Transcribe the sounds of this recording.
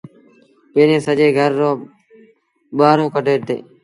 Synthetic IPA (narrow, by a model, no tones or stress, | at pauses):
peːnẽːsəʄeːɡʱəɾːõː | ɓaːɾõːkəʈeːt̪ḛː